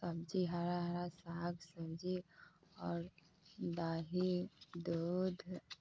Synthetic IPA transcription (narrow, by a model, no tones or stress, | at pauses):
səbd͡ʒiɦaɾaɦaɾasaːɡsəbd͡ʒiɔːɾ | d̪aɦid̪ud̪ʱ